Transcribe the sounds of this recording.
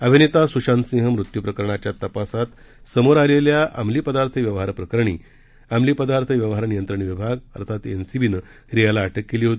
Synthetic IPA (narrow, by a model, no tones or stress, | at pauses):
əbʱinit̪asuɕansĩɦəmɾut̪jupɾəkəɾɳ̃at͡ɕjat̪əpasat̪ | səmoɾaleljaʔa̰mliːpəd̪aɾt̪ʰəʋjəʋɦaɾpɾəkəɾəɳḭː | amliːpəd̪aɾt̪ʰəʋjəʋɦaɾnijənt̪ɾəɳ̃iʋibʱaɡə̰ɾt̪ʰat̪ensibʱinə | ɾijalaːʈʰəkːeliːɦot̪i